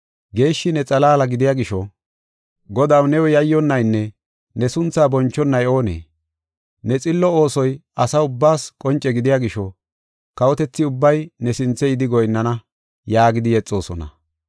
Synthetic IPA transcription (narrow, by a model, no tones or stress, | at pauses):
ɡe̞ːʃːɪnɛt͡sʼɐlaːlɐɡɪd̪ɪjaːɡɪʃɔ | ɡɔd̪awnɛwɔjɐjːɔnːɐjnːɛ | nɛsʊnt͡sːaːbɔnt͡ʃːɔnːɐjo̞ːnḛː | nɛt͡sʼɪlːɔo̞ːsɔjɐsɐʊbːaːskʼɔnt͡ʃʼːɛɡɪd̪ɪjaːɡɪʃɔ | kɐwɔt̪ɛt͡sːɪʊbːɐjnɛsɪnt͡sːɛɪd̪ɪɡɔjnːɐnɐ | jaːɡɪd̪ɪjɛt͡sʼːo̞ːsɔ̰nɐ̰